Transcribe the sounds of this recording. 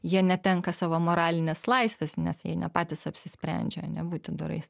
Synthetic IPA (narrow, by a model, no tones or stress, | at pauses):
jiɛnʲɛt̪ʲɛŋkɐsɑːʋoːmoːɾɑːlʲɪnʲɛːslˠɐɪsʲʋʲɛsnʲɛsjḭɛnʲɛpɑːt̪ʲɪsɐpʲsʲɪsʲpʲɾʲɛ̰nʲd͡ʒʲɛɐnʲɛbuːt̪ʲɪd̪ʊɾɐ̰ɪs